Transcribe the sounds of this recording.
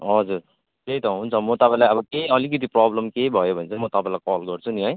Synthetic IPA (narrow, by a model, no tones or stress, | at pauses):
ʌd͡zur | kejt̪ʌɦunt͡sʰʌmʌt̪ʌpãĩlajʌbʌkejʌlikʌt̪̬iprɔblʌmkejbʱʌjobʱʌnet͡sʰʌmʌt̪ʌpãĩlakɔlɡʌrt͡sʰuniɦʌj